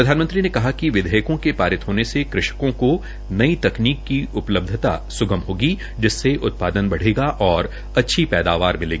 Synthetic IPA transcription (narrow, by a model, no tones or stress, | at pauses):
pɾɐd̪ʱaːnmə̃nt̪ɾinekɐɦakiʋɪd̪ʱəjəkõkepaːɾɪt̪ɦoːnesekɾɪʃkõko | nɐit̪ɐkniːkːiʊpləb̚d̪ʱət̪a̰sʊɡəmɦoːɡi | d͡ʒɪsːeʔʊt̪̚paːd̪ənbɐɽ̤eːɡaʔɔːɾ | ɐtːʃʰipɛːd̪aːʋaːɾmɪleːɡiiː